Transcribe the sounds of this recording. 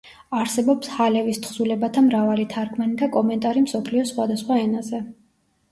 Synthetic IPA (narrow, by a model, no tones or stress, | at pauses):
aɾsɛbɔpshalɛvist̪ʰχsulɛbat̪ʰamɾavalit̪ʰaɾkʰʼmanikʼakʼɔmɛnt̪ʼaɾimsɔpʰliɔsχwad̪asχwaɛnazɛ